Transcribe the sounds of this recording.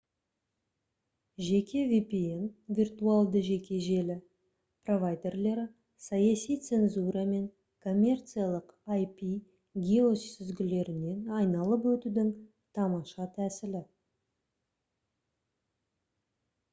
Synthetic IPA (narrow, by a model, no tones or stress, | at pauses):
ʒe̞kʲe̞vʲipienvʲirt̪ualˠd̪əʒe̞kʲe̞ʒe̞lɪ | pro̞vajd̪e̞rle̞ɾɪ | sɑjɑsijt̪se̞nzuɾɑme̞ŋ | kʰo̞mʲːe̞rt̪sɨjalˠəqajpi | ɡʲio̞sɪzɡʲɪle̞ɾɪne̞nɑjnɑlˠəpwɵt̪ud̪ɪŋ | t̪ʰɑmɑʃɑt̪ʰæsɪlɪ